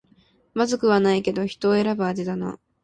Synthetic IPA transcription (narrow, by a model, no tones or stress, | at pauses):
mazɨkɯ̟βanaike̞d̪o̞çi̥t̪o̞ːe̞ɾabɯ̟ad̪id̪ano̰